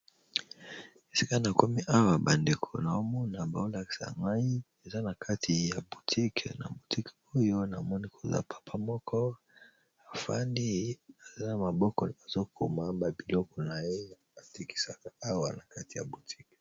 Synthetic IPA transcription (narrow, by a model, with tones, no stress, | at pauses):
e˨si̥˦ka˦na˨ko˦mi˦ʔa˦wa˨ba˨nde˨kʰo˨na˨o˦mɔ˦na˨ba̰˨o˦la˨ki̥˨sa̰˨ŋɡa˦i˦ | e˨za˦na˨kʰa˦tʰi˨ja˨bu˨tʰi˦kʰɛ˨na̰˨bu˨ti˦ko˦jo˦na˨mɔ˦ni˦kʰo˨za̰˦pʰḁ˨pʰa˦mɔ˦kʰɔ˦ | a˨fa̰˦ndi˦a˨za˦na˨ma˨bɔ˦kɔ˨a˨zo˦kʰo̰˨ma˦ba˨bi˨lɔ˦kɔ˨na˨je˦˨a˨ti˦ki̥˦sa˦ka˦a˦wa˨na˨ka˦ti˨ja̰˨bu˨tʰi̥˦k